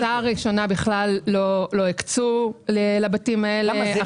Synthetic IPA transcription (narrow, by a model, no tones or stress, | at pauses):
aʁiʃo̞nabiχlalːolo̞ikt͡sulelabatimaelea